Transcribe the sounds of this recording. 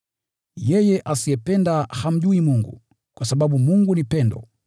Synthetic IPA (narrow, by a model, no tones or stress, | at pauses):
jɛjɛʔasiɛpɛndaham̩ʄuimuŋɡṵ | kwasaɓaɓumuŋɡunipɛndɔ̰